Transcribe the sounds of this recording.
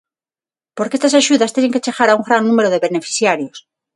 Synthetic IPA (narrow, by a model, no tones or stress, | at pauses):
poɾkeest̪asaʃuðast̪eneŋket͡ʃeɣaɾauŋɡɾannũme̞ɾoðeβene̞fi̥θjaɾjos